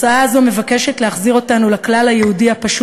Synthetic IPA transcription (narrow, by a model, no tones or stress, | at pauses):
saaːzo̞me̞vake̞ʃetleaχziʁotanulaklalajehudiapaʃ